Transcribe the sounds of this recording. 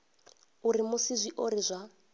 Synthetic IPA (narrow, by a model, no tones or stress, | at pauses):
uɾimʊsizʷiʔoɾizʷa